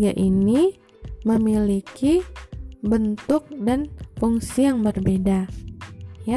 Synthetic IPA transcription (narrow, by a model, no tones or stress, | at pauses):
ɡa̰ʔini | məmiliki | bənt̪ʊk̚danfuŋsijaŋbərbeda | ja